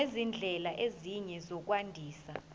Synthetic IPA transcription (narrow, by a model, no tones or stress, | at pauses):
ezind͡ɮʱɛlaʔeziɲɛzɔk̬ʼwandʱiːsa